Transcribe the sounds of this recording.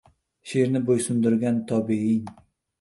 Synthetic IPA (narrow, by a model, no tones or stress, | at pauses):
ʃeɾnɪbojsʊnd̪ʊɾɡʲant̪ʰɒbiɪŋ